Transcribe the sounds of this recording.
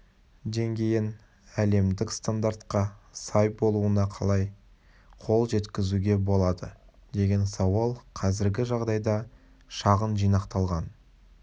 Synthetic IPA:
d̪e̞ŋɡʲe̞jɪn | æle̞md̪ɪkst̪and̪aɾt̪qɑsɑjbo̞lˠuənɑqʰɑ̰lˠɑj | qʰo̞lˠʒe̞t̪kʲɪzuɡʲe̞bo̞lˠɑd̪ə | d̪e̞ɡʲe̞nsɑwɑlˠqʰɑzɪɾɡʲɪʒɑʁd̪ɑjd̪ɑ | ʃɑʁənʒijnɑqt̪ɑlˠʁɑn

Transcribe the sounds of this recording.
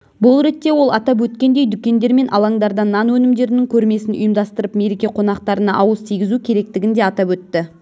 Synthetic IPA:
bʊlˠɾe̞t̪ːe̞wo̞lˠɑt̪ɑp̬wɵt̪kʲe̞nd̪e̞jd̪ʏkʲe̞nd̪e̞ɾme̞nʔɑ̰lˠɑɴd̪ɑɾd̪ɑnːɑnwɵnɪmd̪e̞ɾɪnɪŋkʲʰɵɾme̞sɪnʔʊ̰jəmd̪ɑst̪əɾəpme̞ɾe̞kʲe̞qʰo̞n̪ɑqt̪ɑɾənɑʔɑwəzt̪ʰijɡʲɪzukʲʰe̞ɾe̞k̚t̪ɪɡʲɪnd̪e̞ɑt̪ɑpwɵt̪ːɪ

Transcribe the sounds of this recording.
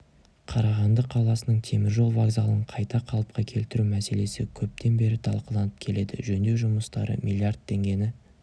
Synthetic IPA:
qʰɑɾɑʁɑnd̪əqʰːɑlˠɑsənəɴt̪ʰe̞mɪɾʒo̞lˠvaɡzalˠəɴqʰɑjt̪ɑqʰɑlˠəp̚qɑkʲʰe̞lt̪ɪɾumæse̞le̞sɪkʲʰɵp̚t̪ʰe̞nbe̞ɾɪt̪ʰɑ̰lˠqəlˠɑnəp̚kʲʰe̞le̞d̪ɪ̰ʒɵnd̪e̞wʒʊməst̪ɑ̰ɾə̰mʲʔilʲˠijard̪̚t̪ʰːe̞ŋɡʲe̞nɪ

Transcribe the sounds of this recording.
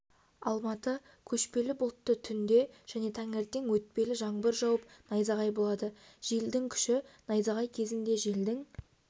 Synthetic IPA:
ɑ̰lˠmɑt̪ə | kʲʰɵʃpe̞lɪbʊlˠət̪ːət̪ʰʏnd̪e̞ʒ̥æne̞t̪ʰæŋeɾt̪eŋwɵt̪̚pe̞lɪʒɑɴbəɾʒɑwəp̚nɑjzɑʁɑjbo̞lˠɑd̪əʒ̥eld̪ɪŋkʲʰʏ̥ʃɪnɑjzɑʁɑjkʲʰe̞zɪnd̪e̞ʒeld̪ɪŋ

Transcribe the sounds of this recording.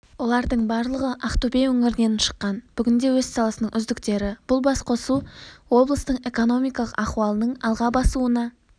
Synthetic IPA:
wo̞lˠɑɾd̪əɴbɑɾlˠəʁəʔɑχt̪obejwɵŋɪɾɪne̞nɪnʃə̥qːɑnb̥ʏɡʲɪnd̪e̞wɵzsɑlˠɑsənəɴʔʏzd̪ɪkt̪e̞ɾɪb̥ʊlˠbɑsqʰo̞suwo̞blˠəst̪əɴe̞ko̞no̞mijkɑlˠəqɑχuwɑlˠənəɴɑlˠʁɑbɑsuənɑ

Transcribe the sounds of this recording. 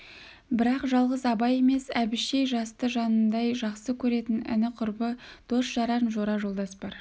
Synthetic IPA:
bɪɾɑqʒɑlˠʁəzɑbɑje̞me̞sæbɪʃe̞jʒɑst̪əʒɑnənd̪ɑjʒɑqsəkʲʰɵɾe̞t̪ɪnɪ̰nɪqʰʊɾbəd̪̥o̞sʒɑɾɑnʒo̞ɾɑʒo̞lˠd̪ɑsbɑɾ

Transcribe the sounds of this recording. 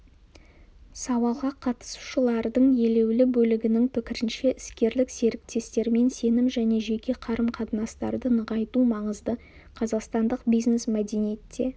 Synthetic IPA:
sɑwɑlˠʁɑqʰɑt̪ə̥su̥ʃəlˠɑɾd̪əɴje̞le̞wlɪbɵlɪɡʲɪnɪŋpʰɪkʲɪɾɪnʃe̞ʔɪskʲe̞ɾlɪkse̞ɾɪk̚t̪e̞st̪e̞ɾme̞nse̞nɪmʒæne̞ʒe̞kʲe̞qʰɑɾəmqʰɑt̪ənɑst̪ɑ̰ɾd̪ənəʁɑjt̪umɑɴəzd̪ə | qʰɑzɑqst̪ɑnd̪əqbijzne̞smæd̪e̞nijet̪ːe̞

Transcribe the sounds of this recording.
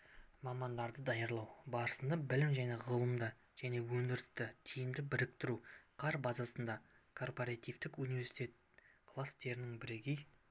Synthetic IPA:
mɑmɑnd̪ɑɾd̪əd̪ɑjəɾlˠɑwbɑɾəsənd̪ɑbɪlɪmʒæne̞ʁəlˠəmd̪ə | ʒ̥æne̞wɵŋnd̪ɪɾɪst̪ɪt̪ʰijɪmd̪ɪbɪɾɪk̚t̪ɪɾuqʰɑɾbɑzɑsənd̪ɑkʰo̞rpoɾɑt̪ʲijvt̪ɪkunivʲe̞ɾsi̥t̪ʲe̞t̪̚ | kʰlˠast̪e̞ɾɪnɪŋbɪɾe̞ɡʲe̞j

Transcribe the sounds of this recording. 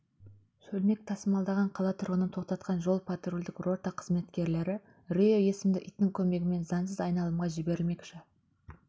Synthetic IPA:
sɵlme̞k̚t̪ʰɑsəmɑlˠd̪ɑʁɑɴqʰɑlˠɑt̪ʰʊɾʁənət̪ʰoq̚t̪ɑt̪qʰɑnʒo̞lˠpʰat̪rulʲd̪ɪkro̞t̪ːɑqʰəzme̞t̪kʲe̞ɾle̞ɾɪ | rejoje̞sɪmd̪ɪʔijt̪t̪ːɪŋkʲʰɵme̞ɡʲɪme̞nzɑnsəzɑjnɑlˠəmʁɑʒɪbe̞ɾɪlme̞kʃɪ

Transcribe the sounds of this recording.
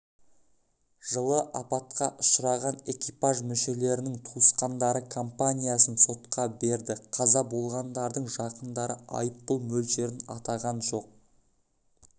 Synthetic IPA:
ʒ̥əlˠəʔɑpɑt̪qɑʔʊ̥ʃəɾɑʁɑne̞kʲipaʒmʏʃe̞le̞ɾɪnɪŋt̪ʰuəsqɑnd̪ɑɾəkʰo̞mpanʲijasənso̞t̪qɑbe̞ɾd̪ɪqʰɑzɑbo̞lˠʁɑnd̪ɑɾd̪əɴʒɑqənd̪ɑɾəʔɑ̰jəp̚qʊlˠmɵlʃe̞ɾɪnɑ̰t̪ɑʁɑnʒo̞q̚

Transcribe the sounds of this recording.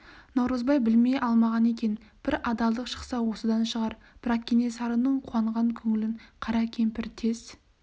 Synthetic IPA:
nɑwɾəzbɑjbɪlme̞jʔɑlˠmɑʁɑne̞k̬ʲe̞n | b̥ɪɾɑd̪ɑlˠd̪əqʃə̥qsɑwo̞səd̪ɑnʃəʁɑɾ | b̥ɪɾɑqkʲʰːene̞sɑɾənəɴqʰuwɑɴʁɑŋkʲʰɵŋɪlɪɴqʰɑɾɑkʲʰe̞mpɪɾt̪ʰe̞s

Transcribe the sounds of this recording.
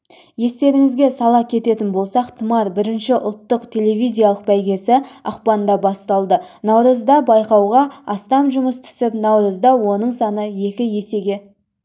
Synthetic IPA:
je̞st̪e̞ɾɪŋɪzɡʲe̞sɑlˠɑkʲʰe̞t̪e̞t̪ɪnbolˠsɑqt̪ʰəmɑɾbɪɾɪnʃɪʔʊ̰lˠt̪ːəqt̪ʲʰe̞le̞vʲijzʲijaɑlˠəq̚bæjɡʲe̞sɪɑ̰qpɑnd̪ɑbɑst̪ɑlˠd̪ənɑwɾəzd̪ɑbɑjqɑwʁɑɑst̪ɑmʒʊməst̪ʰʏ̥sɪpnɑwɾəzd̪ɑwo̞nəɴsɑnəje̞kʲɪje̞se̞ɡʲe̞

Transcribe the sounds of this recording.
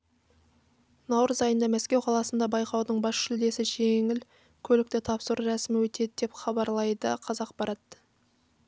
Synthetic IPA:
nɑwɾəzɑjənd̪ɑmæskʲe̞wqʰɑlˠɑsənd̪ɑbɑjqɑwd̪əɴbɑsʃɪld̪e̞sɪʒeŋɪl | kʲʰɵlɪk̚t̪ɪt̪ʰɑpsəɾɾæsɪmɪwɵt̪e̞d̪ɪd̪e̞pχɑbɑɾlˠɑjd̪əqʰɑzɑq̚bɑɾɑt̪

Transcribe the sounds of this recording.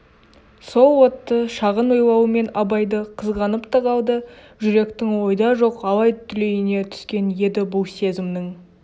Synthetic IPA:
so̞lˠwo̞t̪ːəʃɑʁənwo̞jlˠɑwəme̞nɑbɑjd̪əqʰəzʁɑnəpt̪ʰəʁɑlˠd̪ə | ʒʏɾe̞kt̪ɪŋwo̞jd̪ɑʒo̞qɑlˠɑjt̪ʰːʏle̞jɪne̞t̪ʰʏ̥skʲe̞nje̞d̪ɪbʊlˠse̞zɪmd̪ɪŋ

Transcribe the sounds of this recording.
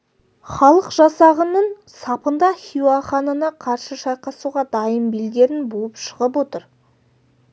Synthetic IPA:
χɑlˠəqʒɑsɑʁənəɴ | sɑpənd̪ɑχʲiwɑχɑnɑnɑqʰɑɾsəʃɑjqɑsuʁɑd̪ɑjəmbild̪ʲe̞ɾɪnbolˠəpʃəʁəp̬wot̪əɾ

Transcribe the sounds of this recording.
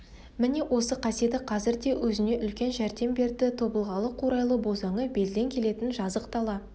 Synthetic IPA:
mɪne̞wʔo̞səqʰɑsijet̪ɪqʰɑzɪɾd̪e̞wʔɵzɪne̞ʔʏlkʲe̞nʒæɾd̪e̞mbe̞ɾd̪ɪt̪ʰo̞bəlˠʁɑlˠəqʰuɾɑjlˠəbo̞zɑɴəbe̞lɪle̞ŋkʲʰe̞le̞t̪ɪnʒɑzəqt̪ɑlˠɑ

